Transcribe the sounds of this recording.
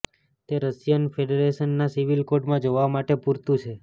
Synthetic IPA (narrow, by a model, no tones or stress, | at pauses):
t̪eɾəsjənfʰeɖeɾeʃənːasiʋilkoʈmãd͡ʒoʋamaʈepuɾt̪ũt͡ʃʰe